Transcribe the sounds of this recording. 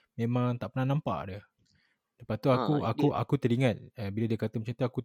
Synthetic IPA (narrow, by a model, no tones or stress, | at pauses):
mẽmãŋt̪aʔpənahnãmpa̰ʔdə | dəpat̪uakuakuʔa̰kut̪əɾiŋãt̪̚əbiladiakat̪əmat͡ʃamt̪uaku